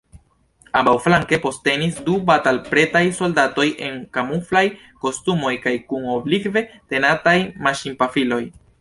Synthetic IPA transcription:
abawflaŋke̞po̞ste̞nisdubatalpɾe̞tajso̞ldato̞jʔe̞ŋkamuflaj | ko̞stumo̞jkajkuŋo̞blikve̞te̞natajmaʃimpafilo̞j

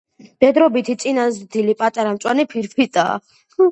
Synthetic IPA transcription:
d̪̥ɛd̪ɾɔbit̪ʰit̪sʼinazd̪ilipʼat̪ʼaɾamt̪sʼwanipʰiɾpʰit̪ʼa̰ː

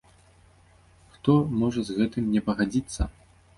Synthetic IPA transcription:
xt̪ɔmɔʐɐzɣɛt̪ɨmnʲɛpɐɣad͡zʲit̪sːɐ

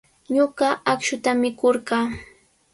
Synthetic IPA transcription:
ɲoɢɑakʃʊt̪amɪkoɾɢɑː

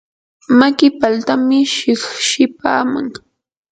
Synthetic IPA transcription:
makɪpalt̪amɪʃɪχʃɪpa̰ːma̰ŋ

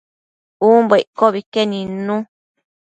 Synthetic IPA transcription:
uːmbeiʔkoβikenĩnũ

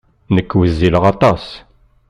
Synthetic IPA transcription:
nəkːwəzːiləʁɑt̪ˤɑs

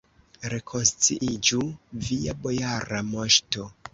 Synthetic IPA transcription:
ɾe̞kʰo̞nst͡siʔid͡ʒuviabo̞jaɾamo̞ʃto̞

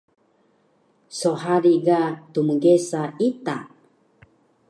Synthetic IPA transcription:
soɦaɾiɡat̪umuɡesait̪a

